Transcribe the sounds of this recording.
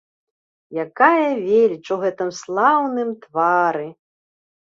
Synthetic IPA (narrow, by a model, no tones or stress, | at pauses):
jakajɐvʲelʲit͡ʂuɣɛt̪ɨmslˠawnɨmt̪vaɾɨ